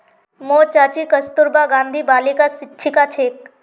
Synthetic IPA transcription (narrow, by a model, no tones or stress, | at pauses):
moːt͡ʃaːt͡ʃikəst̪ʊɾbaɡãːnd̪ʱibaːlikasɪtːʃʰikat͡ʃʰeːk̚